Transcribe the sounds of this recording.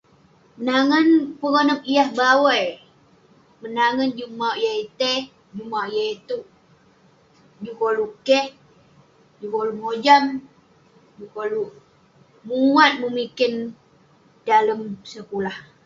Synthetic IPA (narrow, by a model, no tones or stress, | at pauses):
mənaŋənpəŋonəpijahbawəj | mənaŋənd͡ʒumawjait̪e | d͡ʒumajait̪uʔ | d͡ʒukolukɛh | d͡ʒukolumod͡ʒam | d͡ʒukoluʔ | muwat̪̚məmikɪn | daləmsəkulah